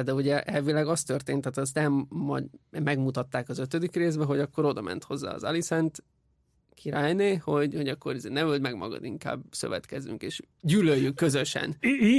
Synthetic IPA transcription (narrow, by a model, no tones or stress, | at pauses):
d̪ɛuɟɛʔɛlvilɛɡɒst̪ø̞rt̪eːnt̪ːaːt̪ɛs̬nɛmːɒ̰mɛɡmut̪ɒt̪ːaːkɒzø̞t̪ød̪ikreːzbɛɦo̞ɟɒkːo̞ɾo̞d̪ɒmɛ̰nt̪ho̞zːa̰ːɒ̰zɒlisɛnt̪ | kʰiɾaːjneːho̞ɟho̞ɟɒkːo̞ɾizeːnɛmøld̪mɛɡmɒ̰ɡɒ̰d̪iŋka̰ːbsø̞̰vɛ̰t̪kɛzy̰ŋkeːʃ | ɟyːløjːykːø̞zø̞ʃɛ̰n